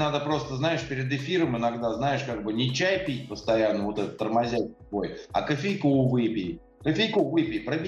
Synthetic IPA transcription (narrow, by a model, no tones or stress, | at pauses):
nad̪əpɾo̞st̪əznaɪʂpʲɪɾʲɪd̪ɪfʲiɾəmɪnɐɡd̪aznajɪʂkaɡ̚bɨnʲɪt͡ɕæjpʲit̚ʲpəst̪ɐjanːəvot̪ɛt̪ət̪ːərmɐzʲæt̚ʲ | vojɐ̰kəfʲejkʊvɨpʲɪj | kəfʲejkʊvɨpʲɪpɾəbʲ